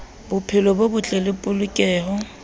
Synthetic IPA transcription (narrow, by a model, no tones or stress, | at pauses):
bʊpʰɪlɔbobʊt͡ɬʼɛlɪpʼʊlʊkʼɛːhɔ